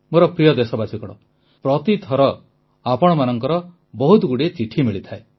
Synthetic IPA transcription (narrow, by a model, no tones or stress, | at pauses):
moɾɔpɾijɔd̪esɔbasikɔɽ̃ɔ̰ | pɾɔt̪it̪ʰɔɾɔ | apɔɽ̃ɔmanɔŋkɔɾɔ | bɔɦut̪ɡuɽet͡ʃiʈʰimiɭit̪ʰae